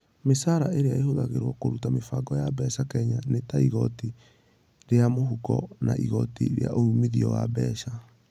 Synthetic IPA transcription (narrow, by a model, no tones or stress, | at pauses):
mesaɾaʔeɾeaehoðaɣeɾwɔkoɾutamefaɡɔjabɛsakɛɲanetaiɣɔti | ɾeamoɦukɔ̰na̰ʔiɣɔtḭɾḛa̰ʔoumiðiɔwa̰bɛʃa